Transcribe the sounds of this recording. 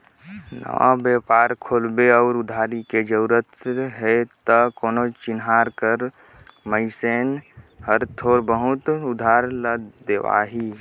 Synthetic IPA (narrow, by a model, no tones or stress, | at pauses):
nə̰ʋã̰bjeːpaːɾkʰoːlbeɔːɾʊd̪ʱaːɾiked͡ʒəuɾət̪ɦet̪əkoːnot͡ʃɪnɦaːɾkəɾ | məɪseːnhəɾt̪ʰoːɾbəɦʊt̪ʊd̪ʱaːɾləd̪eʋa̰ːɦi